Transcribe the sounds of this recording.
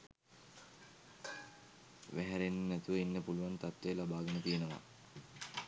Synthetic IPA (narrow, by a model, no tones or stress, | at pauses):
ʋæɦæɾenːnæt̪uʋinːepuluʋant̪at̪ʋejːlabaːɡənət̪ijenəʋa̰